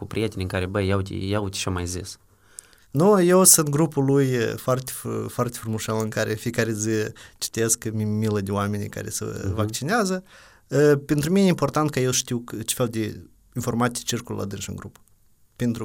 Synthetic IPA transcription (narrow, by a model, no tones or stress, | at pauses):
kupɾʲijet̪enʲiɨŋkaɾebəjawtʲḭjat̪ʲʃamajzḭs | nujewsunt̪̚ɡɾupulujfoart̪e̥ffoart̪ʲefɾumoʃalɨŋkaɾʔefijekaɾezɨt͡ʃi̥t̪eskmimiləd̪eowame̞nʲika̰ɾḛsə̰vakt͡ʃineazə | əpent̪ɾuminejeimpo̞rt̪ant̪̚kəje̞wʃt̪iwt͡ʃefʲeld̪ʲe | info̞rmat̪sʲijt͡ʃirkulla̰d̪ɨnʃɨ̰ŋɡɾup | pent̪ɾu